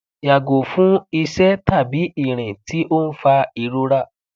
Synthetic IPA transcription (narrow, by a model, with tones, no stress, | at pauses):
ja˨ɡo˨fũ˨˦i˧ʃɛ˦ta˦˨bi˨˦i˦˨ɾ̃ɛ̃˨ti˨˦ʔo˦n̩˦fa˧i˧ɾo˧˦ɾa˦˨